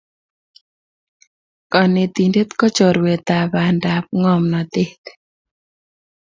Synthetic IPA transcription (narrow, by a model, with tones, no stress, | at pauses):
kɔ˨nɪ˨t̪i˨nde˦t̪kɔ˦t͡ʃɔ˨ɾwe˨t̪a˨ba˨nda˨p̚ŋɔ˦mnɔ˨t̪ɪ˦t̪